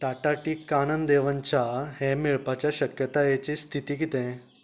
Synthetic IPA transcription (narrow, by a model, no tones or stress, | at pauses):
ʈaʈaʈiːkːanənd̪eʋənt͡ɕahɛ̃miɭpat͡ɕjaɕəkjət̪ajet͡ɕist̪ʰit̪iːk̬it̪ɛ̃